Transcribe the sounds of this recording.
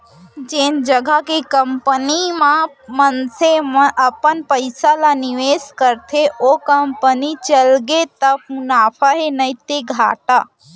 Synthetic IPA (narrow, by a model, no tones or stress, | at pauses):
d͡ʒeːnd͡ʒəɡʱakekəmpənimã | mənseməʔəpənpəɪsalaniʋeːskəɾt̪ʰeʔokəmpənit͡ʃəlɡet̪əbmunaːpʰaɦenəit̪eɡʱa̰ːʈa